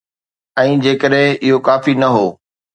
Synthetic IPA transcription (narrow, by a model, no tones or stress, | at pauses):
ɛ̃ːd͡ʑeːkəɗɦɪ̃ɪɦokaːfinɐɦoː